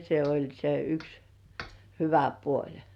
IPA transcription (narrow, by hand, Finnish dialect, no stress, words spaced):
se olʲ se yks hyʋæ puolʲ